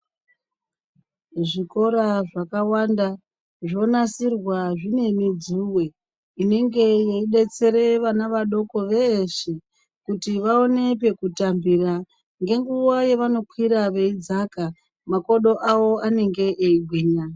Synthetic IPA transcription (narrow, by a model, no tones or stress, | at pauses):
ʐiko̞ɾaʐakawanda | ʐo̞nasirwaʐine̞mid͡zuwe̞ | ine̞ŋɡe̞jeiɗe̞t͡se̞ɾe̞ʋanaʋaɗo̞ko̞ʋe̞ʃe | kutiʋao̞ne̞p̬e̞kutambira | ŋɡe̞ŋɡuwaje̞ʋano̞kʰwiɾaʋe̞id͡zaka | mako̞ɗo̞ʔawo̞ane̞ŋɡe̞ʔːiɡʱwiːɲa